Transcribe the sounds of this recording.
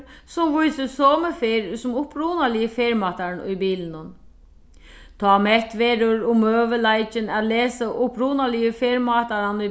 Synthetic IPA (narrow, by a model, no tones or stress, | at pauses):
sɔmʋʊjsəsoːməfeːɾsʊmʊpɾuːnalɪəfeːɾmɑːt̪aɳʊ̰jbiːln̩ʊn | t̪ʰɑːmɛt̪ʋeːɾʊɾʊmøːʋəlaɪt͡ʃənæt̪leːsəʔʊpɾuːnalɪəfeːɾmɑːt̪aɾanʊ